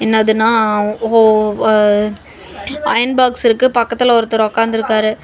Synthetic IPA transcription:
ɛnːɐːðɯnːaːo | ɐjɐnbaːksɪɾɯkːɯpɐkːɐt̪ːɯlɐɔɾɯt̪ːɐɾɔkːaːnd̪ɪɾɯkːaːɾɯ

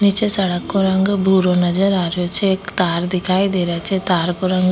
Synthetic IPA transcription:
nit͡ʃesɐɽəkːoɾɐŋɡbʱuːɾonɐd͡ʒəɾaːɾjot͡ʃʰeekt̪aːɾd̪ɪkʰaːid̪eːɾat͡ʃʰet̪aːɾkoɾɐŋɡ

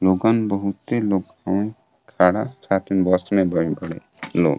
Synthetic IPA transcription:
loːɡanbəɦʊt̪ːeloːɡ | əẽ | kʰaːɽasaːt̪ʰinbɔsmẽbəibəɽḛ | lo̰ːɡ

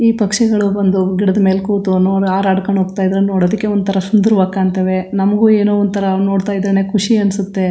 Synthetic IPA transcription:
iːpɐkʂɛɡɐɭuond̪uɡiɽɐd̪ɐmeːlkuːt̪unoːɾaːɾaːɽkɐɳɦoːɡt̪aːjd̪ɾenoːɽoːd̪ikːe̞ond̪ut̪ʰɐɾɐsund̪uɾuʋaːkaːnt̪ɐʋe̞nɐmɐɡuːeːnuːond̪ut̪ʰɐɾɐnoːɽt̪aːjid̪ɾeneːkʰuʂiɐnsut̪ːe̞

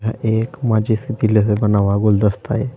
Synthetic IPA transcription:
aʔekmad͡ʑisit̪iles̬ebənaʋaɡold̪əst̪a̰ɦe

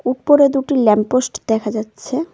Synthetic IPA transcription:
uʈ̚poɾed̪uʈilɛmposʈd̪ɛkʰad͡ʑatːɕʰe

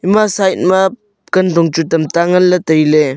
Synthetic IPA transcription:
imasajt̚map | kɐndɔŋt͡ʃutɐmtaŋɐlːɐtəjle

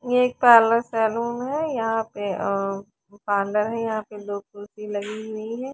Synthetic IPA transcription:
jeːk̚pɛːləɾsɛːluːmɦɛjɐɦãpe | pãːɳɖəɾɦɛjɐɦãpeloːɡ̚tuːsilɐɡiɦʊiɦɛ̃ː

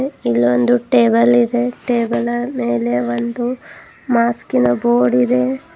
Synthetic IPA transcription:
ilːond̪uʈeːbɐlid̪eʈeːbɐlɐmeːle̞ʋond̪u | maːskinɐboːɽid̪e̞

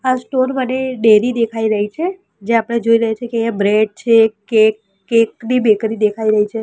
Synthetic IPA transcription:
asʈonbəneɖeɾid̪ekʰaiɾəɦit͡ʃʰe | d͡ʒeapəɽ̃ed͡ʒoiɾəɦet͡ʃʰekeãbɾeɖ̚t͡ʃʰekekː | eknibekɾid̪ekʰaiɾəɦit͡ʃʰe

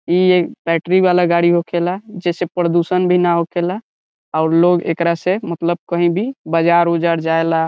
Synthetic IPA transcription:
iebɛʈɾibalaɡaɽiɦokʰelad͡ʒesepɾəd̪usənbʱinaɦokʰela | aʊɾloɡḛkɾasemət̪ləb̚kəɦĩbʱibəd͡ʒaɾɦud͡ʒaɾd͡ʒaela

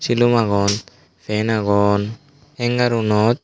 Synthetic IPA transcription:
silumaɡɔn | fɛnaɡɔn | ɛŋɡaɾunɔt̪̚

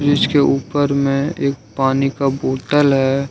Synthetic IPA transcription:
d͡ʒɪskeʔuːpəɾmẽeːk̚paːnikaboːʈəlɦɛ

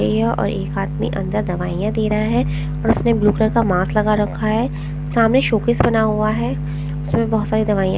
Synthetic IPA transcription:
eɦɛʔɔ̰ːɾeːkaːt̪mḭʔɐ̰̃nd̪əɾd̪ɐʋaːijãd̪eːɾɐɦaɦɛ | ɔːɾʊsnebluːkləɾkamaːslɐɡaɾɐkʰːaɦɛː | saːmneʃoːkɪsbɐnaɦuaɦɛ | ʊsmẽbɔɦʊt̪saːɾid̪ɐʋaːijã̰

